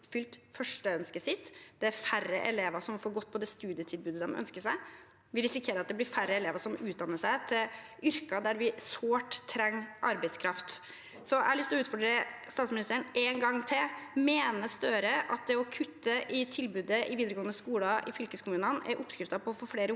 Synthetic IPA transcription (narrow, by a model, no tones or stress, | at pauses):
fʏlt̪fœʂʈəœnskəsɪt̪ːd̪̥ɛæɾfærəʔɛleːʋɑʂɔmfoːɾɡɔt̪ːpʰɔd̪ɛst̪ʉːd̪ɪət̪ʰɪlbʉːd̪əd̪ɛ̰mʔœ̰nskəʂæɪ | ʋɪlɾɪsɪkʰeːɾəɾɑt̪̚d̪ɛb̪ɪɾfæɾːəɛleːʋɑʂɔmʉːt̪d̪ɑnːəʂæɪt̪ʰɪl | ʏɾkɑd̪æɾʋɪsoːʈt̪ʰːɾɛŋːʔɑ̰ɾbæɪskʰɾɑft̪ | sɔæhɑlɭʏst̪ʰlɔʉːt̪fɔɖɾəst̪ɑːt̪smɪnɪst̪əɾəɳnʔeŋɡɑŋːt̪ʰɪmeːnəst̪øːɾəʔɑ̰t̪̚d̪ɛɔkʰʉt̪ːəʔɪt̪ʰɪlbʉːd̪əʔɪʋiːd̪əɾəɡoːənəskuːlɑʔɪ̰fʏlkəskʰʊmʉːnənæ̰ɾʔɔpskɾɪft̪ɑpʰɔfɔɾfɽeːɾə